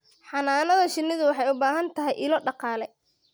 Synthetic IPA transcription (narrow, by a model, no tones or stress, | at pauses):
ħɑnaːnɐðɐʃɪnːɪðʊwɑħɑjʊbaːɦɐnt̪ʰɐɦɛjʔɪlɔɖɑqɑːlɛ